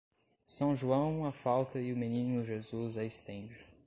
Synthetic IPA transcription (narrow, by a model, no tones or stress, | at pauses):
sɐ̃w̃ʒuɐ̃w̃ɐfawt̪ɐɪʊminĩnʊʒezuzɐest̪ẽd͡ʒɪ